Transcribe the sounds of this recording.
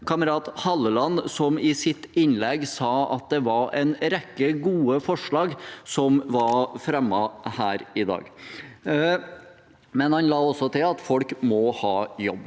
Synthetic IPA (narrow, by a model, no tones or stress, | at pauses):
kʰɑməɾɑːt̪hɑlːəlɑnsɔmɪsɪt̪ɪnlɛɡsɑːɑ̰t̪̚d̪ɛʋɑɾɛ̰ɪnɾɛkːəɡuːəfɔʂɭɑːɡsɔmʋɑfɾɛmːɑhæːɾɪd̪ɑ̰ːɡ | mɛnhɑnlɑːɔsɔt̪ʰɪlɑt̪fɔlkmɔhɑːjɔbː